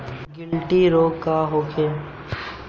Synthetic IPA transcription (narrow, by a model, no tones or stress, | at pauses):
ɡɪlʈiɾoːɡkaɦoːkʰe